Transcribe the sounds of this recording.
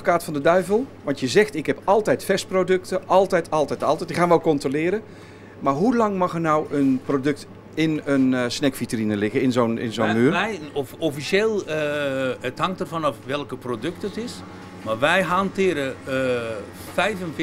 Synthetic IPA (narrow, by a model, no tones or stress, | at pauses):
o̥kaːtfɔndədœɥvəlˠʋɑntjəzɛxtɪkɦɛpɑlˠtɛjtfɛsprodɵktəʔɑlˠtɛjtʰɑlˠtɛjtɑlˠtɛjtdixaːnʋɛlˠkɔntrolɪːɾə | marɦulɑŋmɑxərnawənprodɵk̚t | ɪnənsnɛkfitərinəlɪɣəɪnzonɪ̰nzonyːjɔfofisjeːlˠ | əthɑŋtərfɔnɔfʋɛlˠkəprodøk̚tətɪs | marʋɛjɦantɪəɾə | fɛjvənf